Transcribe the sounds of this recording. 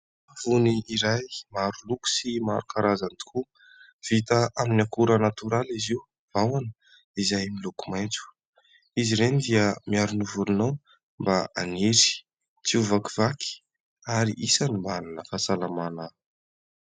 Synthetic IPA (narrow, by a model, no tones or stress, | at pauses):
av̥uniiɾajmaɾuluku̥simaɾukaɾazant̪u̥kʰu | v̥it̪əʔaminakuɾənat̪uɾaliziu | vawanə | izajmilukumajnt͡su̥ | iziɾenid̪iəmiaɾunivulunow | mbaaneɾi̥ | t͡siuvaki̥vakʰi̥ | aɾḭʔisanimbalanəfasalamana